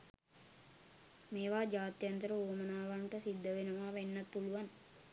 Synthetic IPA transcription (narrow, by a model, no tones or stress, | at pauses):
meːʋaːd͡ʒaːt̪jɐnt̪əɾɐoːmɐnaːʋaɳʈɐsid̪ːɐʋenuʋaːʋenːɐt̪puluʋan